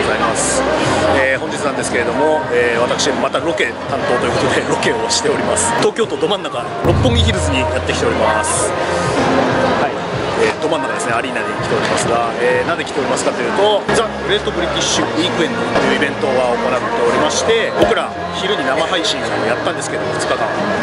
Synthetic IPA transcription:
ozaimasɨ̥eːhõ̞ɲd͡ʑit͡sɨnand̪esɨ̥ke̞ɾe̞d̪o̞mo̞eːβ̞at̪akɯ̥ɕid̪emomat̪aɾo̞ke̞t̪ãnt̪o̞ːt̪oiɯ̟ko̞t̪od̪e̞ɾo̞ke̞o̞ɕi̥t̪e̞o̞ɾʲimasɨ̥t̪o̞ːkʲo̞ːt̪o̞d̪o̞mãnːaka | ɾo̞pːõ̞ŋɡʲiçiɾɯ̟zɨɲijat̪ːe̞kʲi̥t̪eo̞ɾʲimasɨ̥ | hai | ed̪o̞manːakad̪e̞sɨneaɾʲinaɲʲikʲi̥t̪e̞o̞ɾʲimasɨɡaeːnãnd̪ekʲi̥t̪e̞o̞ɾʲimasɨ̥kat̪o̞jɯ̟ːt̪o̞d͡za | ɯ̟ɾe̞t̪ːo̞bɯɾʲikʲiɕɨiːkɯ̟ẽ̞nt̪ojɯ̟ibẽ̞nt̪o̞ɡaomonat̪ːe̞o̞ɾʲimaɕi̥t̪e̞bo̞kɯɾa | çiɾɯ̟ɲ̟inamaɦaiɕĩɰ̃saojat̪ːãnd̪e̞sɨ̥keed̪omofɯ̟̥t͡sɨ̥kakã

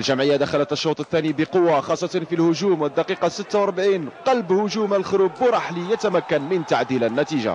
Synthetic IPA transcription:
ʔlʒæmʕəjːad̪æxalət̪əʃːut̪ˤəθːænibəqʊwːaxɑsˤːɑt̪ɑnfilhʊʒuːmwəd̪ːɑqiqɑsət̪ːawɑɾˤbʕiːnqɑlbhʊʒumalxʊɾuːbːəɾˤɑħlijət̪æmækːənmənt̪aʕd̪ilænːæt̪iʒa̰

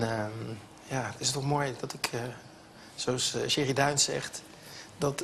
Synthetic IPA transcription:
jaːtɪsətːɔχmoːjdɑtɪkʰ | sowsʃɪridœɥnsɛ̰χ | dɑt

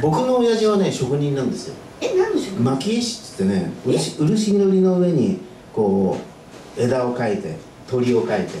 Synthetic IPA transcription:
bo̞kɯ̟no̞ːjaʑiβ̞ane̞ɕo̞kɯ̟ɲ̟ĩnːãnd̪e̞sɨ̰jo̰ | nand̪esomakʲiɕi̥t̪ːɨ̥t̪ːe̞ne̞ɯɕiɯ̟ɾɯ̟ɕiid̪oɾʲino̞ɯ̟e̞ɲ̟i | ko̞ː | e̞d̪ao̞kait̪e̞ | t̪o̞ɾʲio̞kait̪e̞

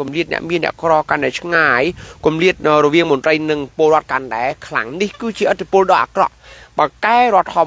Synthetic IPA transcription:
kumliət̪̚nɛ̆əʔmiənːɛ̆əʔkrɑːkanɗaɛt͡ɕʰŋaːjkumliət̪̚ːrɔʋiəŋmont̪rəjnɨŋpŏəlɾŏət̪̚kanɗaɛkʰla̰ŋnihkɨːt͡ɕiəʔət̪ʰːipʊ̆əlɗɑːʔaːkrɑ̰ʔɓaːkaɛɾŏət̪ʰːɑ

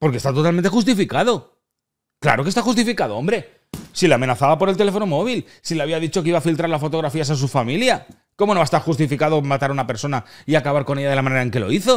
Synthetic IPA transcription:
po̞ɾke̞st̪at̪o̞t̪alment̪e̞xus̬t̪ifikaðo̞ | kla̰ɾo̞kest̪axust̪ifikaðo̞o̞mbɾe̞ | sileamẽ̞naθaβapo̞ɾe̞lt̪eefo̞no̞mo̞β̞il | sileaβiaðit͡ʃo̞keiβafilt̪ɾaɾlasfot̪o̞ɣɾafiasas̬ufamilja | ko̞mono̞aest̪aɾxust̪ifikaðo̞mat̪aɾaunape̞ɾso̞naiakaβaɾko̞ne̞ʝaðelamaneae̞ŋke̞lo̞̰iθo̞

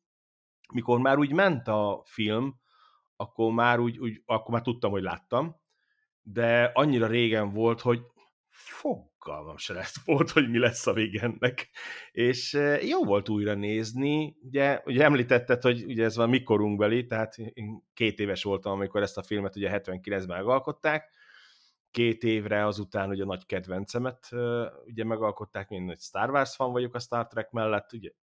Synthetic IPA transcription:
miko̞rmaːɾuːɟmɛnt̪ɒfilm | ɒkːo̞rmaːɾuːɟuːɟɒkːormaːrt̪ut̪ːɒmho̞ɟla̰ːt̪ːɒm | d̪ɛɒɲːiɾɒɾeːɡɛɱvo̞lt̪ho̞ɟ | foɡːɒ̰lmɒ̰mʃɛlɛsvolt̪ho̞ɟmilɛsːɒveɡɛnːɛkeːʃjoːvo̞lt̪uːjrɒneːzniuɟɛuɟɛɛmliːt̪ɛt̪ːɛt̪ho̞ɟuɟɛɛzʋɒnmiko̞ɾuŋɡbɛlit̪ɛɦaːt̪eːŋkeːt̪eːvɛʃʋo̞lt̪ɒmɒmiko̞ɾɛst̪ɒfilmɛt̪uɟɛɦɛt̪ʋɛŋkilɛnzbɛmɛɡɒlko̞t̪ːaːk | kːeːt̪eːvrɛɒzut̪aːnuɟɒnɒɟkɛd̪ʋɛnt̪sɛmɛt̪øuɟɛmɛɡɒlko̞t̪ːaːkmeːnnɒcst̪arvarsʋɒɱvɒɟo̞kɒst̪art̪rɛkmɛlːɛt̪ːuɟɛ

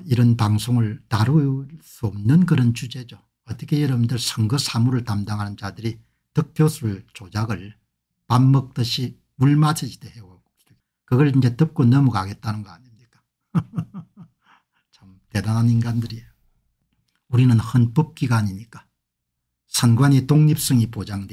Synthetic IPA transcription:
iɾʌnpaŋsʰoŋɯɭtaɾus͈uʌmnɯnkɯɾʌnt͡ɕud͡ʑe̞d͡ʑo | ʌt͈ʌ̥kʰe̞jʌɾʌbindɯɭsʰʌŋɡɯsʰamuɾɯɭtamdaŋɦanɯnt͡ɕadɯɾi | tɯk̚pʰjosʰuɭt͡ɕod͡ʑaɡɯɭ | pamːʌk̚t͈ɯɕʰi | uɭmasʰɯd͡ʑideheɡoko | eɡ | kɯɡʌɭind͡ʑe̞tɯp̚k͈onʌmuɡaɡe̞t̚t͈anɯnɡʌaɲimɲik͈ḁ | t͡ɕʰamte̞dananinɡandɯɾi | uɾinɯnhɯnp͈ʌp̚k͈iɡaːɲimɲik͈ḁ | sʰanɡwaɲitoŋɲip̚s͈ʌŋipod͡ʑaŋde

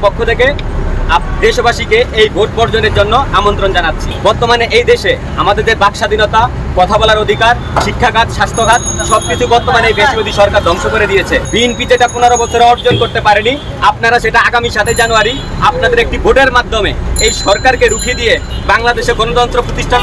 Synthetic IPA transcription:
pokʰːot̪ʰeke | ad̪eʃbaʃikeejboʈ̚bɔɾd͡ʑoneɾd͡ʑonːoamont̪ɾond͡ʑanat̪ːɕʰibɔɾt̪omaneʔejd̪eʃe | amad̪eɾd̪eɾbakʃad̪ʱinot̪a | kɔt̪ʰabɔlaɾod̪ʱikaɾ | ʃikʰːaɡat̪ʃast̪ʰoɡʱat̪̚ʃɔb̚kit͡ɕʰubɔɾt̪omanejb̪eʃbod̪ʱiʃɔɾkaɾd̪ɔŋʃokoɾed̪ijet͡ɕʰebienpid͡ʑeʈaponaɾobɔt͡ɕʰoɾeɔɾd͡ʑonkoɾt̪epaɾeni | ap̚naɾaʃeʈaaɡamiʃat̪ʰed͡ʑanoaɾi | ap̚nad̪eɾek̚ʈiboɖeɾmad̪ʱːomeejʃɔɾkaɾkeɾukʰid̪ije | baŋlad̪eʃeɡɔnot̪ɔnt̪ɾopɾot̪iʃʈʰa

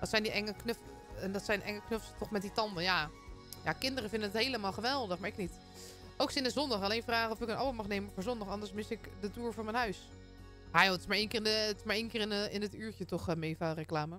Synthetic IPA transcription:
ʋɔtsɛjndiɛŋəknøf | ɛndɔtsɛjnʔɛŋəknøfstɔxmɛt̚ditɑndənjajakɪndərəfɪndənəthejləmaːlˠxəʋɛlˠdəxmaɪknit | owksɪnəzɔndɑxaleːnfraːɣəɔfɪkənʔa̰bəmɑxneːmənfʊːɹzɔndɔxɑndəɹsmɪsɪkdətuːɹfʊɹmɛnɦœɥs | hajoːətɪsmaɹeːnkɪːrətɪ̥smaɹeːnkɪːrɪnɪnətyːɹtətɔxmeːfarəklaːmə

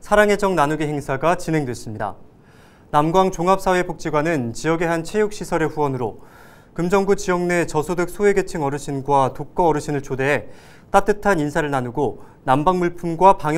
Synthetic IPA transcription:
sʰaɾaŋɦe̞d͡ʑʌŋnanuɡiɦeŋsʰaɡat͡ɕine̞ŋdwe̞s͈ɯmɲida̰ | namɡwaŋt͡ɕoŋɦap̚s͈ʰawe̞pok̚t͡ɕ͈iɡwanɯnt͡ɕiʌɡe̞ɦant͡ɕʰe̞juk̚ɕ͈isʰʌɾe̞ɸuwʌnɯɾo | kɯmd͡ʑʌŋbut͡ɕijʌŋne̞t͡ɕʌsʰodɯk̚s͈ʰowe̞ɡe̞t͡ɕʰɯŋʌɾɯɕʰinɡwatok̚k͈ʌːɾɯɕʰinɯɭt͡ɕʰode̞e | t͈at͈ɯtʰaninsʰaɾɯɭnanuɡo | nambaŋmuɭpʰumɡwapaŋj

